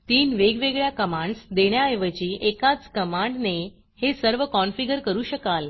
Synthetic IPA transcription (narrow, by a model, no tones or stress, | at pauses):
t̪iːnʋeɡʋeɡɭjakəmãɳɖsd̪eɳjaeʋət͡ɕiːʔekat͡skəmãɳɖne | hesəɾʋəkɔnfiɡəɾkəɾuːɕəkal